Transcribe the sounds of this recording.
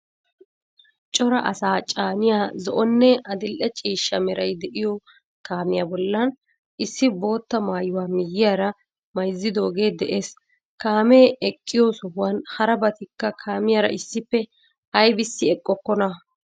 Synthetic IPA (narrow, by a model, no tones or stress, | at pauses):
t͡ʃʼɔɾɐʔɐ̰saːt͡ʃʼaːnɪjaːzɔ̰ʔɔnːɛɐd̪ɪlʔɛt͡ʃʼiːʃːɐmɛɾɐjd̪ɛʔɪjɔ | kaːmɪjaːbɔlːɐn | ʔɪsːɪbo̞ːt̪ːɐmaːjʊwaːmɪjːɪjaːɾɐ | mɐjzːɪd̪o̞ːɡe̞ːd̪ɛʔe̞ːs | kaːmeːɛkʼːɪjosɔhwɐnhɐɾɐbɐt̪ɪkːɐkʰaːmɪjaːɾɐ̰ɪsːɪpːɛ | ɐjbɪsːɪɛkʼːɔkːɔnɐ